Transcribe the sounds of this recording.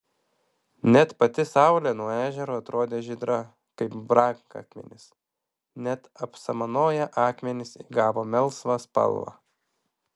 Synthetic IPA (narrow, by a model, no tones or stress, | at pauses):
nʲɛt̪pɐt̪ʲɪsɑʊlʲɛnuɔæːʒʲɛɾoːɐt̪ɾoːd̪ʲeːʒʲɪd̪ɾɐ | kɐɪpbɾɑːŋkɑ̰ːkmʲɛ̰nʲɪs | nʲɛt̪ɐpsɐmɐnoːjɛʔɑːkmʲɛnʲɪsiːɡɑːʋoːmʲɛlˠˑsʋɑspɐ̰lˠʋɑ̰ː